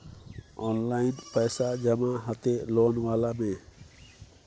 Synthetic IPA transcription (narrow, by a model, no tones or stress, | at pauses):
ɔnlajnpəjsad͡ʒəmaɦət̪elɔnwalame